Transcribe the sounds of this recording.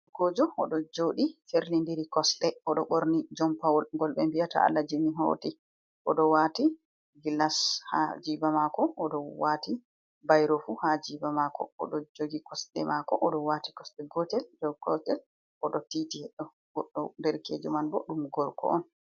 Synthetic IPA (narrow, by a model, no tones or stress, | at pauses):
kɔd͡ʒɔɔɗɔd͡ʒoɗifeɾlindiɾikɔsɗɛɔɗɔɓoɾnid͡ʒɔmpawɔlŋɡɔlɓɛmbijata̰a̰lːad͡ʒimiɦo̰ti | ʔɔɗɔwati | ɡilasha̰d͡ʒibamakɔːɗɔwati | bajɾofuhad͡ʒibamakʰɔ̰ɔ̰ɗɔd͡ʒoɡikɔsɗɛ̰makɔʔɔɗɔwati̥kɔsɗɛɡɔtɛld͡ʒɔkɔtɛl | ʔɔɗɔtitihɛɗːɔ | ɡɔɗːɔndɛɾkḛd͡ʒumanbɔɗumɡɔɾkɔ̰ʔɔn